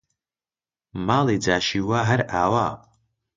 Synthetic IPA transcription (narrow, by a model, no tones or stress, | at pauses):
malid͡zaːʃiwaɦarʔaːwa